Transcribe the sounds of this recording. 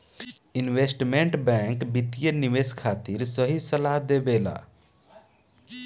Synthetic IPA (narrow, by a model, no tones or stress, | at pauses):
inʋesʈmẽɳʈbɛ̃ŋkbit̪ijeniʋeskʰaːt̪iɾsəɦisəlaɦd̪ebeːla̰ː